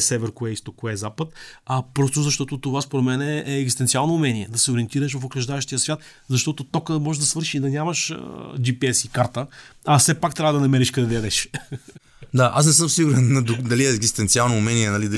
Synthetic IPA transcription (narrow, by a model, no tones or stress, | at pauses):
sɛvɛɾkoɛist̪okːoɛzapət̪ɐpɾɔst̪ozɐʃt̪ɔt̪ot̪ovaspoɾɛt̪mɛnɛɛːɡzist̪ɛnt̪ialˠnoːmɛniɛd̪ɐsɛoɾʲiɛnt̪iɾəʃ̬vɐfokɾɐʒd̪aɛʃt̪ijəsvʲjat̪ | zɐʃt̪ɔt̪ot̪ɔkəmɔʒd̪ɐsvɤɾʃid̪ɐnʲamɐʃd͡ʒipiɛsikaɾt̪əɐsɛpakt̪ɾʲavəd̪ɐnɐmɛɾiʃkɐd̪ɛd̪ɛɛd̪ɛʃ | d̪aʔas̬nɛsɤmsiɡuɾɛnːɐd̪ʊd̪ɐliɛɛɡzist̪ɛnt̪sialˠnoːmɛniɛnɐlid̪ɐ